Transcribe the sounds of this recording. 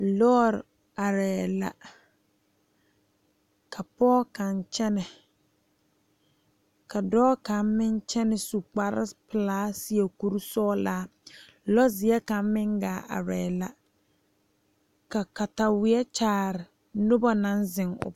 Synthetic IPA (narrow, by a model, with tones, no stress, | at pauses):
lɔː˦˨ɾ | a˨ɾɛː˨la̰˦ | kʰa˨pɔː˦ka˨nt͡ʃɛ˦nɛ˨ | ka˨dɔː˦ka˨mmɪ˦nt͡ʃɛ˦nɪ˨su˨k͡pa˦ɾɪ̰˦pɪ˨laː˦si˦e˨ku˦ɾu˦sɔː˦laː˦ | lɔ˦zɪ˨˦ɛ˦ka˨m˦mɪ˦ŋɡaː˨˦˨a̰˨ɾɛː˨la˦ | ka˨ka˨ta˨wɪ˨˦ɛ˦t͡ʃaː˨˦˨ɾɪ˨ | nʊ˦ba˦nã˦nzɪ˨ŋʊ̰˨b